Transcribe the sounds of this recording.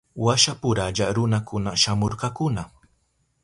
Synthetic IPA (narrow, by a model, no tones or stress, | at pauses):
waʃapʊɾaʎaɾʊnakʊnaʃamoɾqɑkʊna